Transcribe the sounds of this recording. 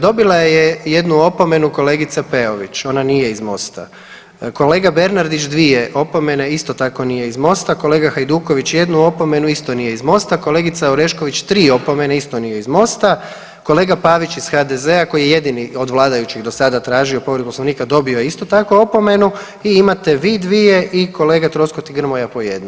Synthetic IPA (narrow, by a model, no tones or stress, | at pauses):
d̪o̞bilˠajeje̞d̪nuo̞po̞me̞nuko̞le̞ːɡit̪sape̞o̞ʋḭt͡ʃo̞nanije̞izmo̞̰st̪a̰ | ko̞le̞ːɡabe̞ɾnaɾd̪it͡ʃd̪ʋie̞ʔo̞po̞me̞neist̪o̞t̪ako̞nije̞izmo̞st̪ako̞le̞ːɡaxajd̪uːko̞ʋit͡ɕje̞d̪nuo̞po̞me̞nuist̪onije̞izmo̞st̪ako̞le̞ːɡit̪saoɾe̞ʃko̞ʋit͡ɕt̪ɾiːo̞po̞me̞naist̪o̞nijeizmo̞st̪a | ko̞le̞ːɡapaːʋit͡ʃiz̥xad̪ezeako̞jijeje̞d̪inio̞d̪ʋlˠaːd̪ajut͡ɕiɡd̪o̞sad̪at̪ɾaːʒio̞po̞ʋɾed̪̚posloʋniːkad̪o̞bio̞jeist̪o̞t̪ako̞o̞po̞me̞nu | iimat̪e̞ʋiːd̪ʋije̞ʔiko̞le̞ːɡat̪ɾo̞skot̪iɡr̩mo̞japo̞je̞̰d̪no